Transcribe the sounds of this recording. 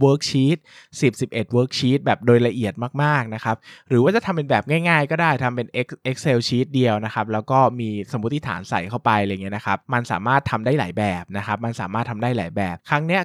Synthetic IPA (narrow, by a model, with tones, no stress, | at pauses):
wəː˦˥k̚t͡ɕʰiː˦˥t̪̚si˨˩p̚si˨˩p̚ʔe˨˩t̪̚wɤː˦˥k̚t͡ɕʰiː˦˥t̪̚bɛː˨˩p̚doː˧jla˧ʔi˨˩ət̪̚maː˥˩k̚maː˥˩k̚na˦˥kʰa˦˥p̚ɾɯː˨˩˦waː˥˩t͡ɕa˨˩t̪ʰa˧mpe˧nbɛː˨˩p̚ŋaː˥˩jŋaː˥˩jkɔː˥˩daː˥˩jt̪ʰa˧mpe˧nʔe˦˥k̚ʔe˦˥k̚seː˧wt͡ɕʰiː˦˥t̪̚di˧əwna˦˥xʰa˦˥p̚lɛː˦˥wkɔː˥˩miː˧so˩˦mu˦˥t̪ʰːi˥˩t̪ʰa̰ː˩˦nsa˨˩jkʰa˥˩wpa˧jɾa˧ja˨ŋːi˦˥na˦˥kʰa˦˥p̚ma˧nsa̰ː˨˩˦maː˥˩t̪ʰːa˧mdaː˥˩jla̰ː˩˦jbɛː˨˩p̚na˦˥kʰa˦˥p̚ma˧nsaː˨˩˦maː˥˩t̪ʰa˧mdaː˥˩jlaː˩˦jbɛː˨˩p̚kʰɾa˦˥ŋni˦˥ɐ